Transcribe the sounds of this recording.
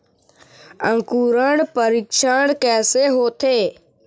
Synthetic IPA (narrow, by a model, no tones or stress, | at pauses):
ɐ̃ŋkuːɾəɽ̃pəɾiːkʃaɽ̃kɛːseɦoːt̪ʰeː